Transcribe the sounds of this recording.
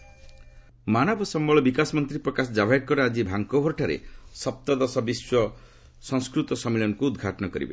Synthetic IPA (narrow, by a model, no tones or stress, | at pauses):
manɔbʱɔsɔmbɔɭɔbikasɔmɔnt̪ɾipɾɔkasɔd͡ʒabʱajkːɔɾad͡ʒibʱaŋkobʱɔɾʈʰaɾḛsɔp̚t̪ɔd̪ɔsɔbiswɔ | sɔŋskɾut̪ɔsɔmeɭɔnɔkuːd̪ɡʱaʈɔnɔkɔɾḭbḛ